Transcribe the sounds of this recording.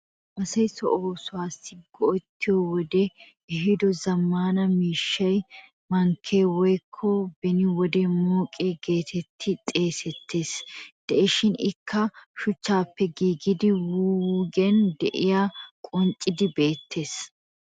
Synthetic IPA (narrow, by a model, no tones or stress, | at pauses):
ʔɐsɐjsɔ̰ʔoːsʊwaːsːɪɡɔʔɔt̪ːɪjɔwɔd̪ɛ | ɛɦɪd̪ɔzɐmːaːnɐmiːʃːɐj | mɐŋkʰːe̞ːwɔjkʰːɔbɛnɪwɔd̪ɛmoːkʼeːɡe̞ːt̪ʰɛt̪ʰːɪt̪ʼe̞ːsɛt̪ʰːe̞ːsd̪̥ɛʔɪʃɪnɪkʰːɐʃʊt͡ʃːaːpːɛɡiːɡɪd̪ɪwuːɡɛnd̪ɛʔɪjakʼʊnt͡ʃʼːɪd̪ɪbe̞ːt̪ʰːe̞ːs